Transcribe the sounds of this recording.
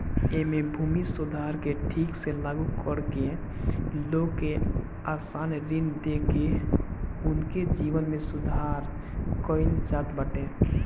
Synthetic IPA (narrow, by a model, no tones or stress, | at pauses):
emebʱuːmisʊd̪ʱaɾkeʈʰiːkselaːɡukəɽke | loɡke | aːsaːnɾɪnd̪eke | ʊnked͡ʒiʋənmẽsʊd̪ʱaːɾ | kəint͡ʃat̪bəʈẽː